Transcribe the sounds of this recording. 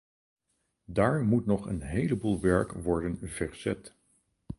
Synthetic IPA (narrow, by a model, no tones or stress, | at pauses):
daːɹmutnɔχə̰nɦejləbuːlˠʋɛɹkʋɔɹdənv̥ɛɹz̥ɛt